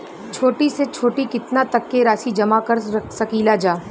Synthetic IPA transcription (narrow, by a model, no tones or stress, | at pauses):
t͡ʃʰoːʈiset͡ʃʰoːʈikɪt̪nat̪ɐkːeɾaːsid͡ʒɐmakɐɾsɐkiːlad͡ʒaː